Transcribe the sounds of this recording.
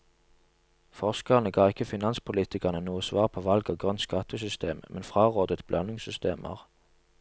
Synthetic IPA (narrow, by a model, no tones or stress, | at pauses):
fɔʁskəʁnəɡɑːɪkːəfɪnɑnspʰʊliːt̪ɪkəʁnənuːəsʋɑ̰ːʁpʰoːʋɑlɡoːɡʁœnt̪skɑt̪ʰəsʏst̪ḛːmmʔɛnfʁɑːʁoːd̪ət̪b̥lʔɑnɪŋsʏst̪eːmʔə̰ʁ